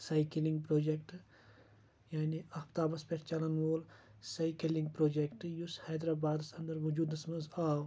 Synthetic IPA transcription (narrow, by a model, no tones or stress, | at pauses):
sajkilĩŋɡ̚pɾoːd͡ʒekʈ | jaːniɐpt̪aːbɐspeɾt͡ʃɐlɐnʋoːl | sajkəlĩŋɡ̚pɾoːd͡ʒekʈjushaːd̪ɾabaːd̪sɐnd̪ɐɾʋud͡ʒuːd̪ɐsmɐnzaːw